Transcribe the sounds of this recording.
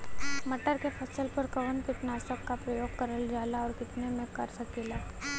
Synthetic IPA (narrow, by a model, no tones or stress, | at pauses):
mɐʈəɾkepʰɐsəlpɐɾkɐʋənpɪʈ̪naːsəkːapɾəjoːɡ̚kɐɾəld͡ʒaːlaɔːɾkɪt̪nemẽkɐɾsɐkeːlaː